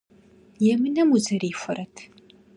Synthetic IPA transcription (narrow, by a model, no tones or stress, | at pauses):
jɛmɨnɐmuzɐɾiːfʷʊɾɐtʰ